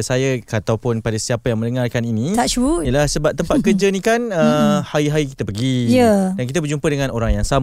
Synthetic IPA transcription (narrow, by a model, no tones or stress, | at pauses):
sajakat̪awpʊnpadasiapajaŋmə̃ndəŋarkaninĩtaʃujəlahsəbap̚t̪əmpat̪̚kərd͡ʒanĩkanəhaiɦaiki̥t̪apəɡijədank̬it̪abərd͡ʒumpədəŋãnʔoɾaŋjaŋsam